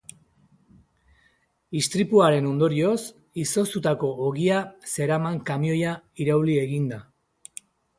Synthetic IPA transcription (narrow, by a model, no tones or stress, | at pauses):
ist̪ɾipuaɾe̞no̞nd̪o̞ɾio̞s | iso̞st̪ut̪ako̞ːɣiase̞ɾamaŋkamio̞jaiɾawlie̞ɣind̪a